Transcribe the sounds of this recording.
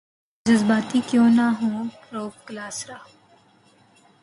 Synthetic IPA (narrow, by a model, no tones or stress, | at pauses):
d͡ʒəzbaːt̪ikjõːnaɦũːpɾoːpklaːsɾaː